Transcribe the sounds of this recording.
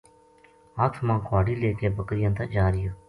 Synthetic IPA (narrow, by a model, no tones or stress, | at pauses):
ət̪ʰmãːkʰwaːɽiːleːkeːbəkɾɪjãːt̪əd͡ʒaːɾɪjaː